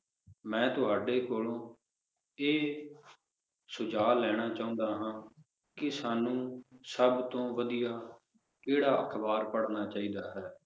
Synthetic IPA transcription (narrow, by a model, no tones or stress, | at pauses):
mɛ̃ːt̪ʊɦaːɖeːkoːlõː | eː | sʊd͡ʒaːlɛːɽ̃aːt͡ʃaːʊ̃ːnd̪aːɦãː | kɪsaːnũːsəbt̪õːʋəd̪ijaː | keːɽaːəkʰbaːɾpəɽnaːt͡ʃaːiːd̪aːɦɛː